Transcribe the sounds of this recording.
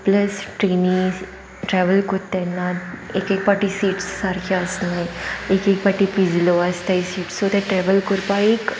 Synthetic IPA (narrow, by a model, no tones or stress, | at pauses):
pləsʈɾenĩs | ʈɾɛʋəlkot̪ːɛnːaekekpaʈisiːʈsːaɾkʰaːsnajekekpaʈipid͡zloəst̪ajsiːʈsod̪ɛʈɾɛʋəlkoɾpaek